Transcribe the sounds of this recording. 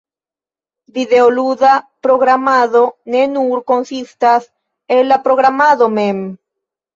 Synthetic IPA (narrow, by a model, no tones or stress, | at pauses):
biðeoluðapɾoɣɾamaðonenuɾkonsist̪as | elapɾoɣɾamaðomem